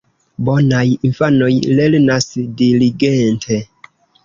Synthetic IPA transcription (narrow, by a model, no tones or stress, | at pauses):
bonajinfano̞jlelnasdiliɡentʰe